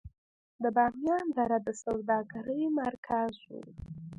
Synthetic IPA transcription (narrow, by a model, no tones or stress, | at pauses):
d̪əbɑmjɑnd̪aɾad̪əsawd̪ɑɡaɾəjmaɾkʰazwṵ